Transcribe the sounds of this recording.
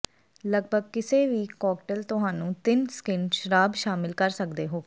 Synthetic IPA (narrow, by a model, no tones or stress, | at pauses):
ləɡbʱəɡ̚kɪseːʋiːkɔːkʈəlt̪ʊɦaːnũːt̪ɪnskɪnʃəɾaːbʃaːmɪlkəɾsəkd̪eːɦoː